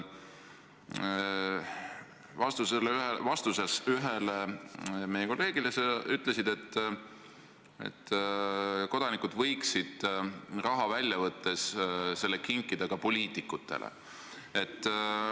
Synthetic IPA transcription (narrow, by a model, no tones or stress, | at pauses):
vɑst̪uselɦevɑst̪usesyɦeleme̞jeko̞lːe̞ːɡ̥ileseʔyt̪ˑle̞sid̪e̞t̪ː | ḛt̪ː | ko̞d̪̥ɑnikud̪̥vɤjksid̪̥rɑɦɑvælʲjɑvɤt̪ːe̞sse̞lːekiŋkːˑid̪̥ɑɡ̥ɑpo̞lʲiːt̪ikːˑut̪ːe̞̰lḛ | e̞t̪ː